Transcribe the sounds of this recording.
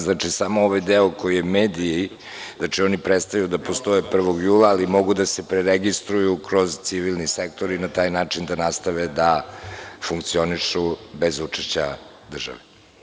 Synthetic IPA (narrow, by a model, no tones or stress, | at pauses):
znat͡ʂisamooʋajd̪eoko̞jijemeːd̪ii | zat͡ʃio̞nipɾet̪st̪ajud̪apo̞st̪o̞jepr̩ʋo̞ɡjuːlˠaːlimo̞ɡud̪asepɾeɾeɡist̪ɾujukɾo̞zt̪siʋilˠnisekt̪o̞ɾinat̪aːjnaːt͡ʂind̪anast̪aʋed̪a | fuŋkt̪sio̞niʂube̞zut͡ʂeʃt͡ɕa | d̪r̩ʒa̰ʋe